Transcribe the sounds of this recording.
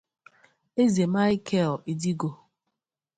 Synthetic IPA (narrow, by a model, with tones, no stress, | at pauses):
e˦ze˨ma˦ɪ˦kʰe˦˨li˨di˦ɡo˨